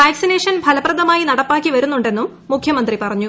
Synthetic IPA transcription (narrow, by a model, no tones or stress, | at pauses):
ʋaːksineːʂɐnbʱɐlɐprɐðɐmaːjinɐɽɐpːaːkːiʋɐɾunːuɳɖe̞nːumːukʰjɐmɐnd̪ripɐrɐɲːu